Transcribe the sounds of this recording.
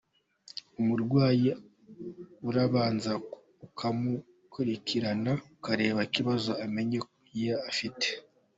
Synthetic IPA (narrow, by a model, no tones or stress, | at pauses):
umuɾɡwaːji | uɾaβaːnza | ukʰamu | kʰuɾikʰiɾanaukaɾe̞ːβakiβazo̞ame̞ɲek | jeafite̥